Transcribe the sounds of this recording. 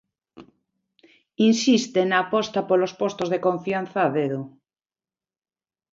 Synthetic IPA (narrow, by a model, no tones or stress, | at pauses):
insist̪enaːpɔst̪apolospost̪ozðekoɱfjan̟θaβeðo